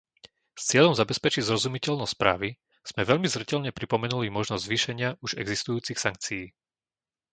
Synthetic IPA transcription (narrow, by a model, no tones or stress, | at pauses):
st͡sɪɛʎɔmzabɛspɛt͡ʃiɟzɾɔzumicɛʎnɔstspɾa̰ːʋi | z̥mɛʋɛʎmizɾɛcɛʎɲɛpɾipɔmɛnulimɔʒnɔzzʋiːʃɛɲɪaʔuʒɛɡzist̪ujuːt͡sixsaŋk̚t͡sijiː